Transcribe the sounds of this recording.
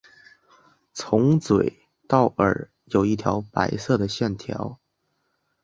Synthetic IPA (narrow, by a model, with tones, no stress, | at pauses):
t͡sʰʊ˧˥ŋt͡swe˨˩ɪ | t̪ɑ˥˩ʊʔə̰˞˨˩ | jo˨˩ʊi˥˩t̪ʰjɑ˧˥ʊpa̰˧˥ɪsɤ˥˩d̪ə˩ɕjɛ˥˩nt̪ʰjɑ̰˧˥ʊ